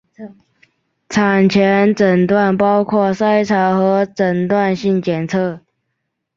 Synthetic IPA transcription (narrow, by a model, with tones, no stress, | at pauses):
t͡sʰa˨˩nt͡ɕʰɛ˧˥nʈ͡ʂə˨˩nt̪wa˥˨npɑ˥ʊkʰwɔ˥˩sa˥ɪt͡sʰɑ˧˥ʊxɤ˧˥ʈ͡ʂə˨˩ŋt̪wa˥˨nɕi˥˩ŋt͡ɕjɛ˨˩nt͡sʰɤ˥˩˨